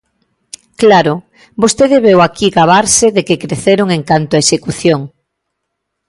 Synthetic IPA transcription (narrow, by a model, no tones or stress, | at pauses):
klaɾo | bost̪eðeβewakiɣaβaɾseðekekɾeθeɾoŋeŋkant̪oaesekuθjoŋ